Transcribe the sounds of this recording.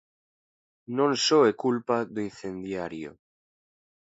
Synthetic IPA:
nõnsoekulpaðoinθẽnd̪jaɾjo̰

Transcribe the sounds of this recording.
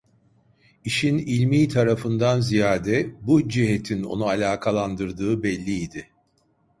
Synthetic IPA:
iʃinilʲmiːt̪ʰaɾafɯnd̪anzijaːd̪ɛbud͡ʒiɦet̪ʰino̞̰nualʲaːkʰalˠand̪ɯɾd̪ɯːbɛlʲːiːd̪ɪ

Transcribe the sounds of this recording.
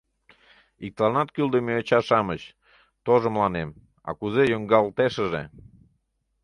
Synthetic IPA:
ik̚t̪lɑnɑt̪kyld̪əmeːt͡ɕɑʃɑmət͡ɕ | t̪oʒə̆mlɑnem | ɑ̰kuzejoŋɡɑlt̪eʃəʒḛ

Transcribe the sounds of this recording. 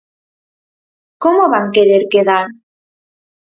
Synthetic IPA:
komoβaŋkeɾeɾkeðaɾ

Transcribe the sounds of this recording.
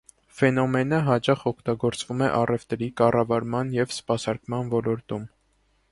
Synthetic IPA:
fɛnɔmɛnəɦɑt͡ʃɑχɔkʰt̪ɑɡɔɾt͡svumɛʔɑrɛvt̪ɾikɑrɑvɑɾmɑnjɛvspɑsɑɾkmɑnvɔlɔɾt̪um

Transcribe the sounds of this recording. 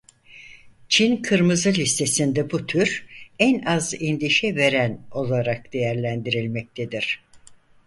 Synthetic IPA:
t͡ʃʰinkʰɯɾmɯzɯlʲist̪ʰe̞sind̪ɛbut̪ʰyɾænazind̪iʃɛve̞ɾæno̞lˠaɾak̚d̪̥e̞jæɾlʲænd̪iɾilʲmɛc̚t̪ʰed̪iɾ̥

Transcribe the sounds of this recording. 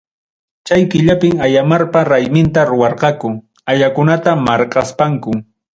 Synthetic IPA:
t͡ʃajkɪʎapɪmajamaɾpaɾajmɪnt̪aɾʊwɑɾqɑkʊ | aʎakʊnat̪amɑɾqɑspaŋkʊ

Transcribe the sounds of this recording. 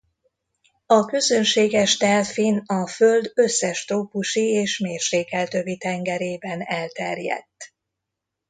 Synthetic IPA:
ɒkø̞zø̞nʃeːɡɛʃt̪ɛlfinɒfø̞ld̪ø̞sːɛʃt̪oːpuʃieːʃmeːrʃeːkɛlt̪øvit̪ɛŋɡɛɾeːbɛnɛlt̪ɛrjɛ̰t̪ː

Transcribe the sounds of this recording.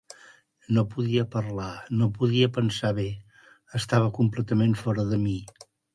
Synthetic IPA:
nopuðiəpəɾlanopuðiəpənsaβe | əst̪aβ̞əkumplɛt̪əmeɱfɔɾəðəmi

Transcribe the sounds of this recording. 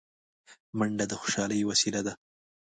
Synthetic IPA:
maɳɖad̪əxʊ̥ʃɑləjowasilad̪a

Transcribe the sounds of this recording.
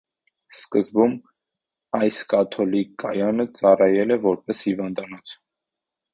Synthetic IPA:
skəzbum | ɑjskɑt̪ʰɔlikːɑjɑnət͡sɑrɑjɛlɛvɔɾpɛshivɑnd̪ɑnɔt͡sʰ

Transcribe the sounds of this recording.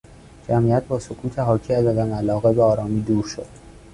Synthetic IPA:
d͡ʒæmʔiæt̪̚bɒːsokʰuːt̪ʰeɦɒːcʰiːæzæd̪æmælɒːɣebeɒːɾɒːmiːd̪uːɾʃod̪̥

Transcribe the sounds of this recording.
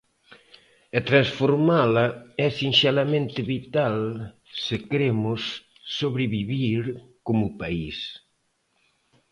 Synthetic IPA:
et̪ɾansfoɾmalɐɛsinsɛlamẽnt̪ɪβit̪al | sɪkɾemʊsː | oβɾeβiβiɾkomʊpais

